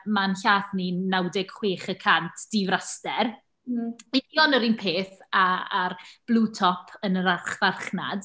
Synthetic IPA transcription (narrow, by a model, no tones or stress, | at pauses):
manɬaːθninawdɪɡ̥χweːχəkʰantʰd̥ivrastɛr | idiɔnəɾinpʰeːθaarb̥lˠuːtʰɔpʰənəɾaχvarχna̰d̥